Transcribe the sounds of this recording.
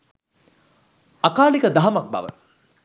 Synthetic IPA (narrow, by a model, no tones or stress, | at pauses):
akaːlikəd̪aɦamak̚ba̰ʋə̰